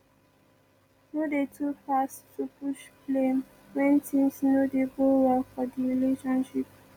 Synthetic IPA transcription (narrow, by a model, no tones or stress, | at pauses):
nodetʰufastʰːupuʃplẽm | wɛ̃ntʰĩmsnodeɡowɛlfɔdiɹiliʃɔ̃nʃip̚